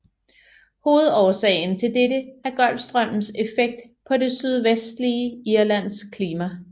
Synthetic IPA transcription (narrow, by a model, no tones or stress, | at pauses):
ho̝ːð̞̩ˠɒːsɛɪn̩t͡sʰe̝ldeɾəæɐɡ̥ɒ̽l̰b̥sd̥ʁɶm̰n̩se̝feɡ̥̚d̥ | pʰɒ̽de̝syð̞ˠʋesd̥liəiɐlæn̰skʰliːmæ